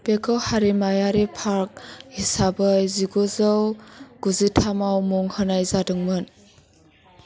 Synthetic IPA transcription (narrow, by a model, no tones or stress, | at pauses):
pekʰɔwhaɾimajaɾipʰaɾk̚isabəziɡozawɡ̥uzitʰamawmɔŋhənajzadɯŋmɯn